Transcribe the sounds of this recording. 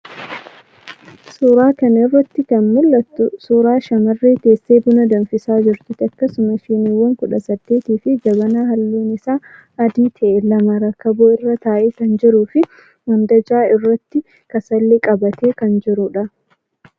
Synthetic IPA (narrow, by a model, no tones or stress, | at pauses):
suːɾaːkɐnɐɪrːɐt̪ːɪkɐnmʊlːɐt̪ːʊsuːɾaːʃɐmɐrːeːt̪e̞ːsːeːbʊnɐd̪ɐnfɪsaːd͡ʒɪɾt̪ɪt̪ɐkːɐsʊmɐʃɪniwːɐŋkʊᶑɐsɐd̪̥ːe̞ːt̪iːfɪd͡ʒɐbɐnaːɦɐlːeːnɪsaː | ɐd̪iːt̪ʰɛʔɛlɐmɐɾɐkːɐboɪrːɐt̪aːʔɛkɐnd͡ʒɪɾuːfɪ | mɐnd̪ɐd͡ʒaːɪrːɐt̪ːɪ | kɐsɐlːɛkʼɐbɐt̪eːkɐnd͡ʒɪɾʊᶑɐ